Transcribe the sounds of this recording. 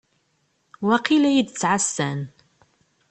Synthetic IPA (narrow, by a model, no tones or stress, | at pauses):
waqilæjid̪t͡sːʕasːæn